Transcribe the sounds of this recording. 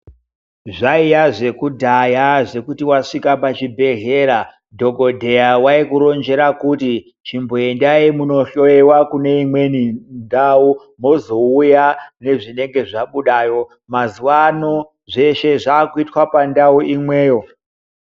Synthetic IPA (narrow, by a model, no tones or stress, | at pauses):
ʐaijaʐe̞kudʱajaʐe̞kutiwaʂikapat͡ʃibʱe̞ɦe̞ɾa | dʱo̞ɡʱo̞dʱe̞jawaikuɾo̞nd͡ʒe̞ɾakuti | t͡ʃimbo̞e̞ndaimuno̞ɬo̞ewakune̞imwe̞nindau | mo̞zo̞ujane̞ʐine̞ŋɡe̞ʐaɓuɗajo̞ | mazuwano | ʐe̞ʃe̞ʐaːkuitwapandauʔimwe̞ːjo̞